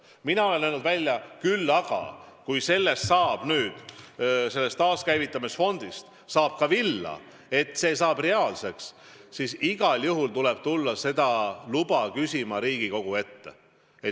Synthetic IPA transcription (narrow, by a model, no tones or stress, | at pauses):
minɑo̞le̞nælnud̪vælʲjɑkylːɑɡ̥ɑ̰kujse̞lːe̞st̪sɑːb̥nyːd̪̥se̞lːe̞st̪ɑːskæjvit̪ˑːɑmisfo̞nd̪̥ist̪ | sɑːb̥̚kɑvilːɑ̰ | e̞t̪ːse̞ːsɑːb̥re̞ɑːlse̞ks | sisiɡ̥ɑljuɦult̪ule̞b̥̚t̪ulːɑse̞d̪̥ɑlub̥ɑkysʲimɑɾiːɡ̥iko̞ɡ̥ue̞t̪ːe | e